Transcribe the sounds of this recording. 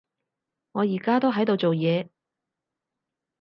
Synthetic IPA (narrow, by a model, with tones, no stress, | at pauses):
ŋɔː˨˧jiː˨˩kaː˥t̪o˥wɦɐ˨˥jt̪o˨˧wt͡so˨wjɛː˨˧